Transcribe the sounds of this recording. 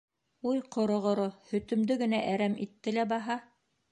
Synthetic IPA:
ujqŏɾŏʁŏɾohɵ̆t̪ɵ̆md̪ɵɡɘ̆næʔæɾæmit̪ːɘlæbɑɦɑ

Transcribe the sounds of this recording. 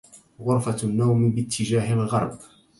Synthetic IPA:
ɣʊɾˤfanːawmbɪt̪ʰːɪd͡ʒaːɦɪlɣɑ̰ɾˤb

